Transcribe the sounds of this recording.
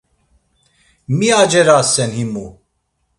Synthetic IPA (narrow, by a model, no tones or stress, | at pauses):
miad͡ʒɛɾasɛnhimu